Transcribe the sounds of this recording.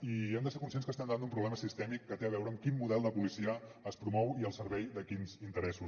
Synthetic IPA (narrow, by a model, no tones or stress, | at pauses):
iɛmd̪əsekunsienskəst̪ɛmd̪and̪umpɾuβlɛməsist̪ɛmikːət̪eəβ̞ɛwɾəːmkimmuðɛlˠd̪əpulisiəːspɾumɔwiəlˠsəɾβɛjd̪əkinzint̪əɾɛsus